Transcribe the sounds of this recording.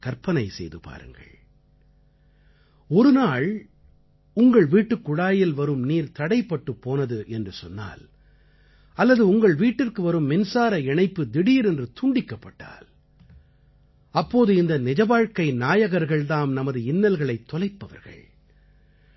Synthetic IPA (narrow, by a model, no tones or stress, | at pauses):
kɐɾpɐnɐɪsɛ̰jðɯpa̰ːɾɯ̰ŋɡɐ̰ɭ | ɔɾɯnaːɭ | ʊŋɡɐɭʋiːʈːɯkːʊɽaːjɪlʋɐɾɯmniːɾt̪ɐɽɐɪpːɐʈːɯpːoːnɐðɯʔɛndrɯsɔ̰nːa̰ːl | ɐlːɐðɯʊŋɡɐɭʋiːʈːɪrkɯʋɐɾɯmːɪnsaːɾɐɛɳɐɪpːɯd̪ɪɽiːɾɛndrɯt̪ʊɳɖɪkːɐpːɐʈːa̰ːl | ɐpːoːðɯɪnd̪ɐnɪd͡ʒɐʋaːɻkɐɪnaːjɐɣɐɾɣɐɭðaːmnɐmɐðɯɪnːɐlɣɐɭɐɪt̪ːɔlɐɪpːɐʋɐ̰ɾɣɐ̰ɭ